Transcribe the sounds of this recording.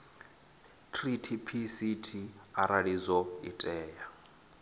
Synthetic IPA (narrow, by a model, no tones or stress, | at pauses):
tʰritʰipʰisitʰiaɾaɺid͡zɔitʼɛːja